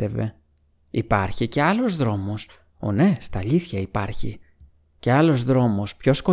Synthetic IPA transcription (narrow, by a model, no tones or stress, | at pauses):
eve̞̰ | ipɐɾçice̞ɐlo̞zðɾo̞mo̞s | o̰ne̞st̪ɐʎiθçɐipɐɾçḭ | ce̞ɐlo̞zðɾo̞mo̞spço̞sko̞